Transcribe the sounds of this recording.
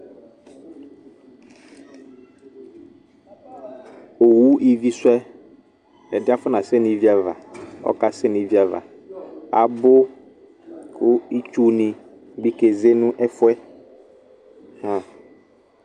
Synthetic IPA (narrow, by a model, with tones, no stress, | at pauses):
o˨wu˦i˦vi˦swɛ˦ | ɛ˨dɪ˦a˦fʊ˦nã˨sɛ˦˨nĩ˨˦vi˦a˨va̰˨ɔ̰˦ka˨sɛ˦nĩ˨˦vi˦a˨va̰˨ | a̰˨bʊ˦ | kʰʊ˦i˦t͡ʃu˦nĩ˨ | ɡ͡bi˦ke˨ze˦nʊ̃˦ʔɛ˦fʊ˦ɛ˦ | hã˨